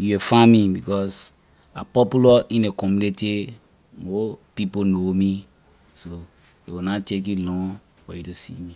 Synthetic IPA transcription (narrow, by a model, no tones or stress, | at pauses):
juefãmĩbikɔs | apɔpulaʔĩnekɔmjuniti | mopiponomi | so | ḛwinatek̬julɔ̃ŋ | wɛjutusḭmi